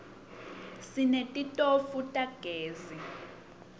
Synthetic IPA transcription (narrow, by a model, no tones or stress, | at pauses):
sinetʼitʼofutʼaɡ̥ʱeːzi